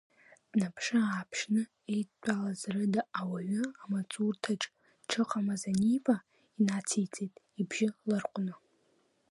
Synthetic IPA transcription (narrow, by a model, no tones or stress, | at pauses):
dnapʰʂɨaːpʰʂnɨ | ejt͡pʷʼalazrɨdaːwaɥɨamat͡sʼurtʰaʈ͡ʂʼ | ʈ͡ʂʰɨqʼamazanipʼa | inat͡sʰejt͡sʼejtʼ | ibʒɪlɨrqʷʼnɨ